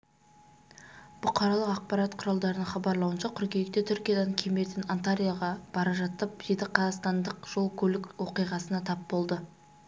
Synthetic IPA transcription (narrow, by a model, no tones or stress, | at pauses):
b̥ʊqʰɑɾɑlˠəqɑq̚pɑɾɑt̪qʰʊɾɑlˠd̪ɑɾənəɴχɑbɑɾlˠɑwənʃɑkʲʰʏɾkʲejk̚t̪et̪ʰʏɾkʲijad̪ɑŋkʲʰeme̞t̪ɪnant̪aɾijaʁɑb̥ɑɾɑʒɑt̪ːəp̚d̪ejd̪ɪqʰɑzɑʁst̪ɑnd̪əqʒ̥o̞lˠkʲʰɵlɪkʲwo̞qijʁɑsənɑt̪ʰɑpbo̞lˠd̪ə